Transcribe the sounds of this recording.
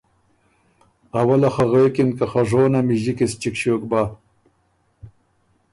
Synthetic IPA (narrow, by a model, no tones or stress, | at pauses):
ɐwɐlaxaɣeːkinkaxaʐoːnamiʑikist͡ɕikɕoːk̚baː